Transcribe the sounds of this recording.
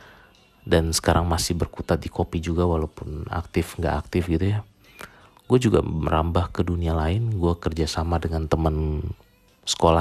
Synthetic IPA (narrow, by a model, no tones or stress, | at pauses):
dansə̥kaɾʔaŋmasɪhbərkut̪at̪̚dikʰopid͡ʒuɡawalawpʊna̰k̚t̪ɪfŋɡa̰ʔak̚t̪ɪfɡit̪uja | ɡ̥uad͡ʒuɡa̰mmə̰ɾambahkədunialaɪnɡuakərd͡ʒasamadəŋant̪əmən | sə̥kola